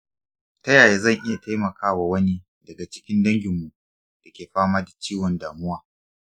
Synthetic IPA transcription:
tɐ˦jaː˨jeː˦zɐ˦˨ŋʔɪ˦ja˨tʰa˦jmɐ˨kʰaː˦wa˨wɐ˦ni˦ | dɐ˨ɡa˨t͡ʃɪ̥˦kʲɪ˦ndɐ˦ŋɡʲɪ˨mːu˨ʔ | d̥ɐ˨kʲeː˨ɸaː˦maː˦da˨t͡ʃiː˦wɔ˨ndaː˨mʊ˦waː˨

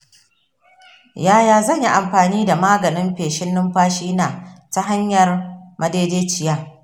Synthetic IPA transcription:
jaː˦jaː˨zɐ˦˨ɲji˦ʔa˨mɸaː˨niː˦da˨maː˦ɡɐ˨nɪ˦mɸeː˨ʃɪ˦nːɪ˦mɸaː˦ʃiː˦naː˨ta˦ɦa˦ɲjɐ˨rmʔɐ˨deː˦deː˦t͡ʃɪ˨jaː˦

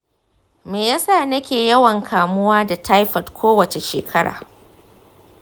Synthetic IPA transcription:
meː˨jaː˦saː˦˨nɐ˦kʲeː˨jɐ˦wɐ˨ŋkʰaː˨mʊ˦waː˦da˨tʰa˦jɸɐ˨tkʷoː˦wɐ˨t͡ʃe˨ʃḛː˨kʰɐ˦ɽʔa̰ː˨

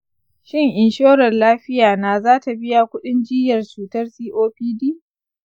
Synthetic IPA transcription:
ʃɪ˦ŋʔɪ˨nʃoː˦ɾɐ˨nlaː˦ɸɪ˦jaː˨naː˦˨zaː˦ta˨bɪ˦ja˨kʷʊ˦ɗɪ˦nd͡ʒɪː˦jɐ˨rt͡ʃuː˨tɐ˦rsiː˦ʔoː˦ɸiː˦diː˦

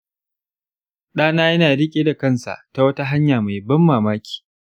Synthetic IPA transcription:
ɗaː˦naː˦jɐ˦naː˨ɽɪ˦kʲʼeː˦da˨kɐ˦˨nsa̰˨ʔta˨wɐ˦ta˦ɦa˦ɲjaː˨ma˨jbɐ˦mːaː˨maː˦kʲi̥ː˨

